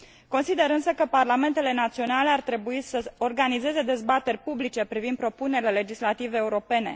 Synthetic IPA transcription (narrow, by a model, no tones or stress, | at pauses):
ko̞nsid̪e̞ɾɨnsəkəparlame̞nt̪e̞le̞nat̪sio̞nale̞art̪ɾe̞buisəorɡanize̞ze̞d̪e̞zbat̪e̞rʲpublit͡ʃe̞pɾivind̪pɾo̞pune̞ɾile̞le̞d͡ʒislat̪iveːuɾo̞pe̞ne̞̰